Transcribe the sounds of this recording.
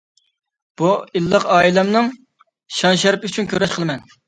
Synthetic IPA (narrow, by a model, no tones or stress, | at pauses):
b̥uilˠːəqɑːilˠɛmnɨŋ | ʃɑnʃɛɾpyt͡ʃʰynkʲʰøɾɛʃqʰəlˠɨmɛn